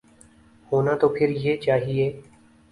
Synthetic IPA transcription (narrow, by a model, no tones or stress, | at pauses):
hoːnaːt̪oːpʰɪɾjeːt͡ʃaːɦieː